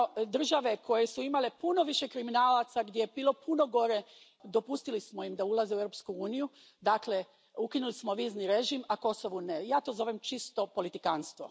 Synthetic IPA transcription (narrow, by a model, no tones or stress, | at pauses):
d̪r̩ʒaʋe̞kʰo̞jesuimalepuno̞ʋiʃe̞kɾiminaːlat̪saɡd̪jeebiːlˠo̞puno̞ɡo̞ɾe̞ | d̪o̞pust̪ilismo̞jimd̪aulˠazeuevɾopskuuːniju | d̪akle̞ | ukinulismo̞ʋiːzniɾeʒimako̞so̞ʋunejaːt̪o̞zo̞ʋemt͡ʃist̪o̞po̞lit̪ikanst̪ʋo